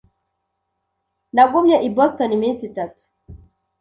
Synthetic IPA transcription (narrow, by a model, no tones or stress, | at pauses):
naɡumɲaʔibɔstɔniminsitatu̥